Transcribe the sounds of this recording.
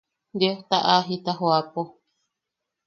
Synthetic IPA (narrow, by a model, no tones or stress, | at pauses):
d̪eht̪aʔaɦit̪aɦoapo